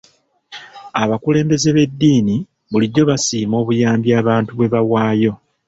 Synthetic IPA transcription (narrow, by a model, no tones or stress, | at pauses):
aβakule̞ːmbe̞ze̞βe̞dːiːni | βuliɟːo̞βasiːmo̞ːβujaːmbjaːβaːntuβwe̞βawaːjo̞